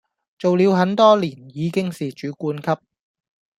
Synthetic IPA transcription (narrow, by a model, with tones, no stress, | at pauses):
t͡so˨wli˨˧wɦɐ˨˥nt̪ɔː˥liː˨˩njiː˨˧kɪ˥ŋsiː˨t͡ʃyː˨˥kuː˧nkʰɐ˥p̚